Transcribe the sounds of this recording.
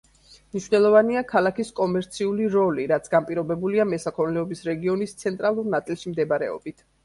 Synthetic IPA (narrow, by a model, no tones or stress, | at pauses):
mniʃvnɛlˠɔvaniakʰalˠakiskʼɔmɛɾt̪sʰiuliɾɔliɾat̪sʰɡampʼiɾɔbɛbuliamɛsakʰɔɾnɛɔbisɾɛɡiɔnist̪sʰɛnt̪ʼɾalˠuɾnat̪sʼilˠʃimd̪ɛbaɾɛ̰ɔ̰bit̪ʰ